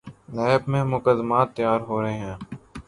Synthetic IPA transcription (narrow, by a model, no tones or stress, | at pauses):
nɛːbmẽːmʊkəd̪maːt̪ːəjaːɾɦoːɾəɦeɦɛ̃ː